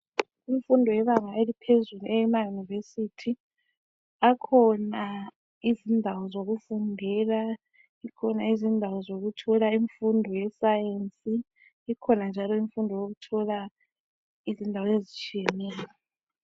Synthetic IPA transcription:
iɱfundʱɔjɛβaŋaelipʰezuluʔɛjɛmajunivesitʰi | akʰɔna | izindʱawɔzoɣufundʱɛla | ikʰɔnaizindʱawɔzoɣutʰɔlaiɱfundʱɔjɛsajent͡sʼiː | kʰɔnand͡ʒʱalɔiɱfundʱɔjoɣutʰɔla | izindʱawɔezit͡ʃʼiɛnɛːla

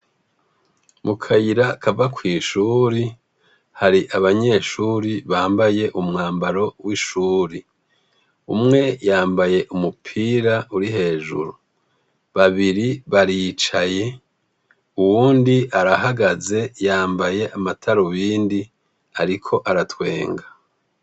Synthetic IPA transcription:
mukʰajiɾakʰavakwiːʃuːɾi | haɾiʔaβaɲe̞ːʃuːɾiβaːmbaje̞ʔumŋaːmbaɾo̞wiʃuːɾi | umŋe̞jaːmbaje̞ʔumupʰiːɾauɾiɦe̞ːʒṵɾu | βaβiɾiβaɾit͡ʃaje̞ | uwuːndiʔaɾahaɡaze̞jaːmbaje̞ʔamatʰaɾoβiːndi | aɾikʰo̞ʔaɾatwe̞ːŋɡa

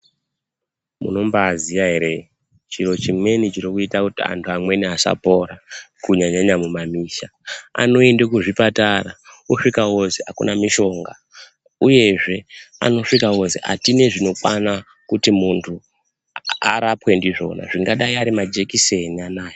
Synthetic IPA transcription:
mṵno̞mbazijaɦeɾe | t͡ʃiɾo̞t͡ʃimwe̞nit͡ʃirikuitakutia̰ntʰuamwe̞niasa̰po̞ɾakuɲaɲaɲamumamiːʃa | a̰no̞endekuʐipatarauʂikawozeakṵnamiʃo̞ŋɡa | uje̞ʐe̞a̰no̞ʂikawo̞ze̞̰a̰tine̞ʐino̞kwana | kutimuntʰu | aɾapwe̞ndiʐo̞̰na̰ʐiŋɡaɗaiaɾimad͡ʒe̞kise̞nianaːjo

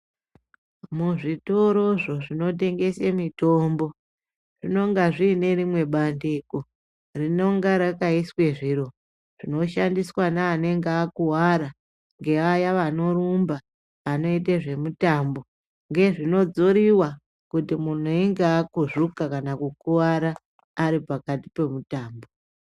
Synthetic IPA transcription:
muʐito̞ɾo̞ʐo̞ʐino̞t̬e̞ŋɡe̞semito̞ːmbo̞ | ʐ̥ino̞ŋɡaʐiːne̞ɾimwe̞ɓandiko | rino̞ŋɡaɾakaiswe̞ʐiɾo̞ | ʐ̥ino̞ʃandiswanaːne̞ŋɡeːkuwaɾa | ŋɡe̞ajaʋano̞ɾumbaː | no̞it̬eʐe̞mutambo̞ | ŋɡe̞ʐino̞d͡zoɾiwa | kutimun̤uiŋɡeakuʐukakanakukuwaɾaː | ɾipakati̥pe̞mutaːmbo

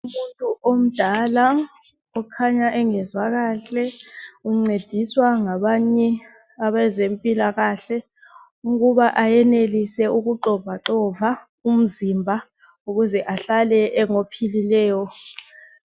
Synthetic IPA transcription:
umuntʼuʔom̩d̥ʱala | ɔkʰaɲaʔɛŋɛzwaɣaːɬɛuŋ͡ǀed̥ʱiswaŋaɓaɲɛ | aɓɛzempʼilaɣaːɬɛ | uɣuβaʔajɛnelisɛukuǃɔvʱaǁɔva | um̩zimbʱa | uɣuzɛʔaɬalɛʔɛŋopʰililɛːjɔ

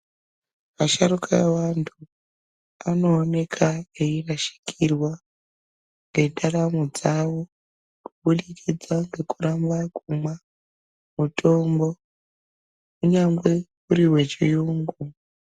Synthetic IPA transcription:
aʃaɾukaewantʰu | ano̞ːne̞kʰaeiraʃi̥kirwa | ŋɡe̞ɗaɾamud͡zawo̞ | kuɓuɗikʰid͡zaŋɡe̞kurambakumwa | mutʰo̞mbo̞ | uɲaŋɡwe̞ | uɾiwe̞t͡ʃijuŋɡu

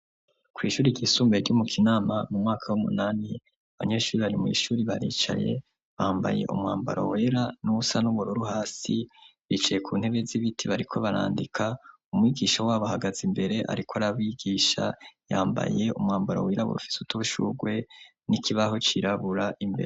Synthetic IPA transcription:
kwiːʃuːɾiɟiːsuːmbeɾɟumukʰinaːmamumŋaːkʰawumṵnaːni | aβa̰ɲe̞ːʃuːɾiβaɾimwḭːʃuːɾiβaɾḭːt͡ʃa̰je̞̰ | βaːmba̰je̞̰ʔṵmŋaːmba̰ɾo̰weːɾanuusanuβuɾuɾuhaːsiβit͡ʃaje̞kʰuːn̥he̞βe̞ziβitʰiβaɾikʰo̞βaɾa̰ːndikʰa | umŋiːɡiːʃawaːβahaɡazimbe̞ɾe̞ʔa̰ɾikoaɾaβwiɡiːʃa̰jaːmba̰je̞umŋaːmbaɾo̰wiɾaβṵɾufi̥sutʰuuʃṵːɡwe̞ | nikʰiβahot͡ʃiɾaβuɾaʔimbe̞ɾe

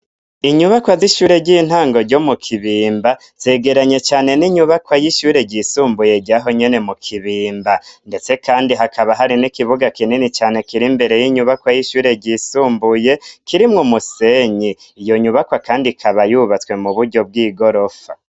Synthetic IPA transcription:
iɲuβakwaziʃuːɾe̞ɟin̥haːŋɡo̞ɾɟo̞mukʰiβiːmba | z̥e̞ːɡe̞ɾaɲe̞t͡ʃaːne̞niɲuβakwajiʃuːɾe̞ɟisuːmbuje̞ɟaɦo̞ɲe̞ne̞mukʰiβiːmbande̞t͡se̞kʰaːndiɦakʰaβaɦaɾinikiβuɡakininit͡ʃaːne̞kiɾimbe̞ɾe̞jiɲuβakwajiʃuːɾe̞ɟisuːmbuje̞kiɾimŋumuse̞ɲi | ijo̞ɲuβakwakaːndikʰaβajuβat͡swe̞muβuɾɟo̞b̚ɡiːɡo̞ɾo̞fa

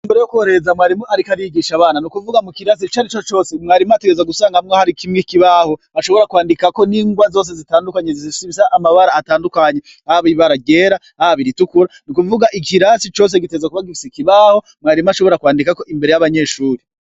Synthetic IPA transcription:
mbeɾejokwoɾe̞zamŋaːɾimoaɾikaɾiiɡiːʃaβaːnanukuvuɡamukiɾas̬it͡ʃaɾit͡ʃot͡ʃo̞ːsemŋaːɾimateɡezaɡusaːŋɡamŋohaɾikʰimŋikiβaːho̞ | aʃo̞βo̞ɾakwaːndikako̞niːŋɡwazo̞ːs̬e̞zitaːndukaɲezissiβisaʔːmaβaɾaːtaːndukaɲe̞ | ahaβiβaɾaɟe̞ɾaːhaβiɾitukuɾanukuvuɡaʔikiɾasit͡ʃo̞ːs̬e̞ɡitezakuβaɡifi̥sikiβaːho̞ | mŋaːɾimaʃo̞βo̞ɾakwaːndikako̞ʔimbe̞ɾe̞jaβaɲe̞ːʃuːɾe

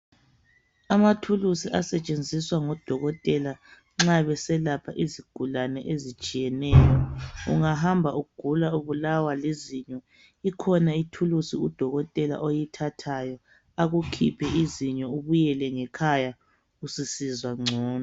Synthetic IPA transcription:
amatʰulusiʔasɛt͡ʃʼend͡zʱiswaŋɔd̥ʱɔɣɔtʼɛla | ŋ͡ǁaβɛsɛlapʰaʔiziɡ̥ʱulanɛʔezit͡ʃʼijɛnɛːjɔṵŋaɦambʱauuɡ̥ʱulauβulawaleziɲɔ | ikʰɔnaitʰulusiud̥ʱɔɣɔtʼɛla̰ʔojitʰatʰajɔ | aɣukʰḭpʰɛʔiziɲɔuβujɛlɛŋɛkʰaja | usisizwaŋ͡ǀʱɔːnɔ

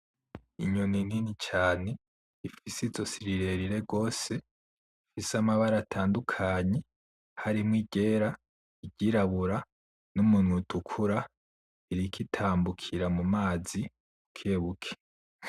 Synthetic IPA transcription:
iɲonininit͡ʃaːne̞ | ifisizo̞siɾiɾe̞ɾiɾe̞ɡo̞ːse̞ | ifisamaβaɾatʰaːndukʰaːɲe̞ | haɾimŋiɟe̞ːɾa | iɟiɾaβuɾa | numunwutʰukʰuɾa | iɾikitʰaːmbukʰiɾamumaːzi | mukʰeːβukʰe̥

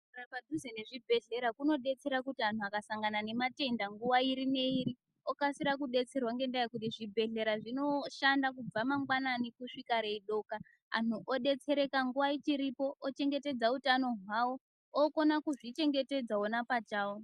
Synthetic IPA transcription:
rapadʱuzene̞ʐibʱe̞ɮe̞ɾakuno̞ɗe̞t͡se̞ɾakutianuakasaŋɡanane̞mate̞ndaŋɡuʋaiɾine̞iɾi | okasiɾakuɗe̞t͡se̞rwaŋɡe̞ndaekut̬iʐibʱe̞ɮe̞ɾaʐino̞ʃandakub͡vamaŋɡwananikuʂikaɾeiɗo̞ka̰ː | nʰuʔoɗe̞t͡se̞ɾe̞kaŋɡuʋait͡ʃiɾipo̞ʔot͡ʃe̞ŋɡe̞te̞d͡zautano̞ɦwawo̞ | oko̞nakuʐit͡ʃe̞ŋɡe̞te̞d͡zaonapat͡ʃaon

